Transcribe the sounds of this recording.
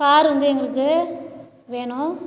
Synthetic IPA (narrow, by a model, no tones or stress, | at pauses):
kaːɾʋɐnd̪ɯɛŋɡɐɭɯkːɯ | ʋeːɳʊ̃